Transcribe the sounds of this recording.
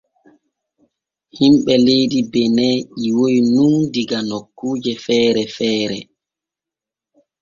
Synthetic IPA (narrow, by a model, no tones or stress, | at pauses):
himɓɛlejdibɛnɛʔiwowinundiɡanokːuːd͡ʒɛfɛːɾɛfɛːɾɛ̰